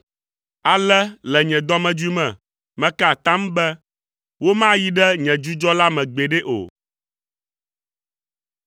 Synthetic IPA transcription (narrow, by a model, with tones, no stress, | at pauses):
a˨lɛ˦lɛ˨ɲɛ̃˨d̪ɔ˦mɛ̃˨d͡ʒu˦i˦mɛ̃˨ | mɛ̃˦ka˦˨t̪ã˦m˦bɛ˦ | wo˦mã˦ji˦ɖɛ˦ɲɛ̃˨d͡ʒu˦d͡ʒɔ˦la˦mɛ̃˨ɡ͡be˨ɖɛ˦ʔo̰˨